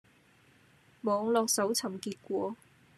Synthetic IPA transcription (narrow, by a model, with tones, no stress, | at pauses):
mɔː˨˧ŋlɔː˧k̚sɐ˨˥wt͡sʰɐ˨˩mkiː˧t̚kʷɔː˨˧˥